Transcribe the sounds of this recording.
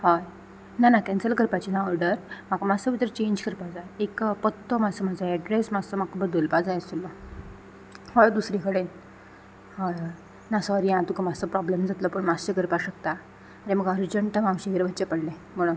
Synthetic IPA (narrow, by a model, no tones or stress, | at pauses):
haj | nanakɛ̃nsəlkəɾpat͡ɕinaɔɾɖəɾm̤akamasəʋit̪əɾt͡ɕẽɲd͡ʑkəɾpad͡zajekpət̪ːɔmad͡zsəm̤ad͡zəɛɖɾesmad͡zsɔm̤akəbəd̪olpad͡zajst̪ulːɔ | hɔjd̪usɾikəɽe | hajɔ | nasɔɾiãt̪ukamasəpɾɔbləmd͡zat̪lɔpəɳmast͡ɕəkəɾpaɕək̚t̪a | ɾeməɡəɾd͡ʑəɳʈəmãmɕikəɾebʱətːt͡ɕapəɽlẽm̤əɽũn